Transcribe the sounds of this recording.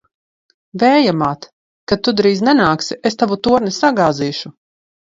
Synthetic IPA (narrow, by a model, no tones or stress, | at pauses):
vɛːjamaːt̪ | kat̪ːud̪ɾiːznɛnaːksiest̪avut̪uɔɾnisaɡaːziːʃu